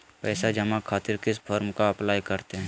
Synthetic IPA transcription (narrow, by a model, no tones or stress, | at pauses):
pɛːsad͡ʒɐmakʰaːt̪ɪɾkɪs̬pʰɔːɾmkaɐplaːjkɐɾt̪eɦɛ̃